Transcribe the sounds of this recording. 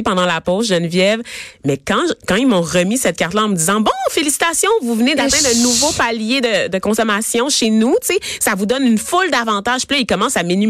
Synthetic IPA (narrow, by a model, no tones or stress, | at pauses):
pɑ̃d̪ɑ̃lapɔz̬ʒənvjɛvmɛkɑ̃kɑ̃imɔ̃ʁəmisɛt̪̚kaʁt̪laɑ̃məd̪izɑ̃bɔ̃felisi̥t̪asjɔ̃vuvned̪at̪ɛ̃d̪ə̃nuvopaljed̪əd̪əkɔ̃sɔmasjɔ̃ʃenut̪t͡sesavud̪ɔnynfʊld̪avɑ̃t̪aʒpiløikɔmɑ̃saminy